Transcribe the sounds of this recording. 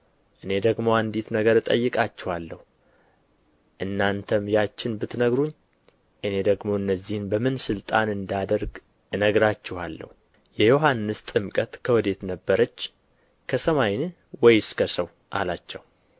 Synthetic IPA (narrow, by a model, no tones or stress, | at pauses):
ʔɨne̞d̪əɡmo̞and̪it̪nəɡəɾɨt̪ʼə̰jːɨkʼat͡ʃːɛhalːəhu | ʔɨnːant̪ʰəmjat͡ʃːɪnbɨt̪nəɡɾuɲː | ʔɨne̞d̪əɡmo̞ɨnːəzːihnbəmɨnsɨlt̪ʼanɨnd̪ad̪əɾɡ | ɨnəɡɾat͡ʃːɛhalːə̰hu | jɛjo̞ɦanːɨst̪ʼɨmkʼət̪kʰəwɔd̪e̞t̪nəbːəɾət͡ʃː | kʰəsəmajn | wɔjskʰəsəw | ʔa̰lat͡ʃːɛw